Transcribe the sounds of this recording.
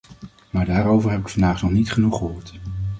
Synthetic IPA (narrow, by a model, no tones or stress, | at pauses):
maːɹdaːɾowvəɹɦɛpɪkfɑndaːχnɔχnitχənuχəɦʊːɹt